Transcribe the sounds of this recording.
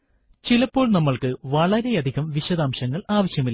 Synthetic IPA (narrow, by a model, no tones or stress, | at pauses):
t͡ɕilɐpːo̞ːɭnɐmːɐɭkɨʋɐɭɐɾejɐd̪ʱiɣɐmʋiɕɐd̪aːmɕɐŋːɐɭaːʋɐɕjɐmilː